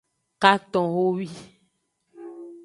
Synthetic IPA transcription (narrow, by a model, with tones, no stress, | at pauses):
ka˦t̪ɔ̃˨wo˦wi˦